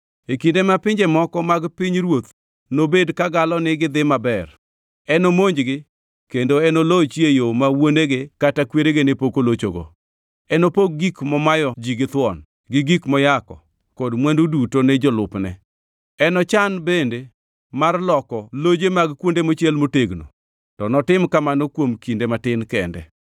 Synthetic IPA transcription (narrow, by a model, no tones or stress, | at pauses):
ekindemapɪɲd͡ʒemɔkɔmaɡpɪɲɾwot̪ | nobedkaɡalɔnɪɡɪd̪ɪmabɛr | ɛnomoɲd͡ʒɡɪ | kendoɛnolot͡ʃjejomawoneɡekatakweɾeɡenepokolot͡ʃo̰ɡo̰ | ɛnopoɡ̚ɡikmɔmajɔd͡ʒiɡɪt̪wɔn | ɡɪɡikmɔjakɔ̰ | kɔdmwɛndudutonɛd͡ʒɔlʊpnɛ̰ | ɛnɔt͡ʃanbende | marlɔkɔlod͡ʒemaɡkwondemot͡ʃɛlmoteɡno̰ | tɔnɔtɪmkamanokwomkindematɪnkɛndɛ̰